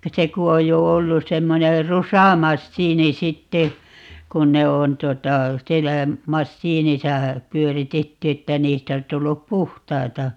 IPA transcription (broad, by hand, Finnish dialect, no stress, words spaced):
se ku oj jo olːus̆ semːoner rusɑmɑsːiːni sitːe kun ne on tuotɑ sielːæ mɑsːiːnisɑ pyøritetːy etːæ niːstæ os tulːup puhtɑitɑ